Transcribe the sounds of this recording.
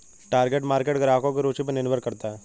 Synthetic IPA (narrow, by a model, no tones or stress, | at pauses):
ʈaːɾɡeːʈmaːɾkeːʈɡɐɾaːkõkeɾoːt͡ʃip̬ənɪnʋəɾkːɐɾt̪aɦɛː